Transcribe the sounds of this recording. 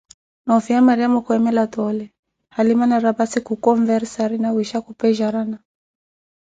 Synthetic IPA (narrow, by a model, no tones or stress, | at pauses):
naɔfiamaɾiamɔkwɛmɛlatɔlɛ | halimanaɾabasikukɔɱvɛɾsaɾinawiʃakupɛʒaɾana